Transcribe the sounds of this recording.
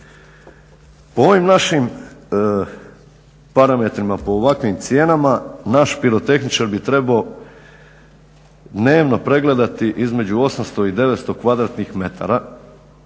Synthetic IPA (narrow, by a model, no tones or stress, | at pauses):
po̞o̞ʋimnaʃim | paɾame̞t̪ɾimapo̞ːʋakʋimt̪sje̞ːnamanaʃpiɾo̞t̪e̞xnit͡ʃaɾbit̪ɾe̞bao | d̪ne̞ːʋno̞pɾe̞ɡle̞d̪at̪iʔizme̞d͡ʑuo̞samst̪o̞id̪e̞ʋet̪st̪o̞kʋad̪ɾat̪nixme̞t̪ʰa̰ɾa